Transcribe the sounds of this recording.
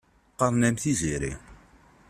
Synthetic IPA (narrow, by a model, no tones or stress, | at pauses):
qːɑðˤnæmθiziɾḭ